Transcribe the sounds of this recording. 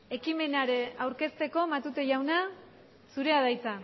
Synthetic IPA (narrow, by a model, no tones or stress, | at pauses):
e̞kime̞naɾe̞awɾke̞st̪e̞ko̞mat̪ut̪e̞ʝawna | suɾe̞að̞ajt͡sa